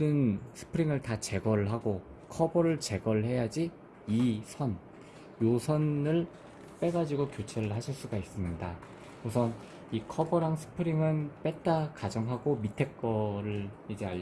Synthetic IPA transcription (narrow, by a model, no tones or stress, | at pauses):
ɯnsʰɯ̥pʰɯɾiŋɯɭtat͡ɕe̞ɡʌɾɯɭɦaɡokʰʌbʌɾɯɭt͡ɕe̞ɡʌɭhe̞jad͡ʑi | isʰʌn | josʰʌnɯɭ | p͈e̞ɡad͡ʑiɡokjot͡ɕʰeɾɯɭɦaɕʰiɭs͈uɡais͈ɯmɲida | usʰʌn | ikʰʌbʌɾaŋsʰɯ̥pʰɯɾiŋɯnp͈e̞t̚t͈akad͡ʑʌŋɦaɡomitʰe̞k͈ʌɾɯɭid͡ʑeaʎ